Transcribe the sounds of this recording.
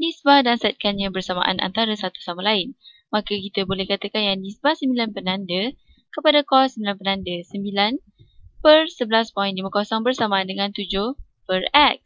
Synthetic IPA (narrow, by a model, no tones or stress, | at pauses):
lisbahdansɛt̪̚kanɲãbərsama̰ʔa̰nʔa̰nt̪aɾəsat̪u̥samalaɪn | mãkəkit̪əbolɛhkat̪akanjandisbahsəmbilanpənãndə | kəpadakɔsəmbilanpənandəsəmbilan | pərsəblaspɔjndiməkɔsɔŋbərsamãndəŋãnt̪ud͡ʒʊh | pərɛk̚s